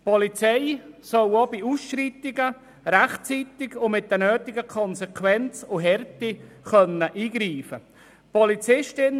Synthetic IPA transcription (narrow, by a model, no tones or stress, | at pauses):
pɔlit͡sɛɪsœwobiusʃritɪɡə | ɾaχt͡siːt̪ɪɡʊmɪt̚dɛnøːt̪ɪɡəkʰɔnsɛkʰwɛnt͡sʊɦɛrti | χœnəʔiːɡɾiːfə | pʰɔlit͡sɪʃtɪn